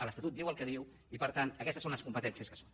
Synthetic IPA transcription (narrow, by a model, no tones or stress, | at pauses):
ələst̪at̪ut̪̚iwəlˠkəðiw | ipəɾt̪ant̪əkɛst̪əsonləskumpət̪ɛnsiəskə̥so̥n